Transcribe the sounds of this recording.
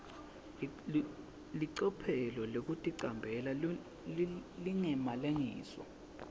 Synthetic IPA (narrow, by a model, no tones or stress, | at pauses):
liǀɔpʰɛlɔlok̬utʼiǀambʱɛla | liŋɛmalaŋḭːsɔ̰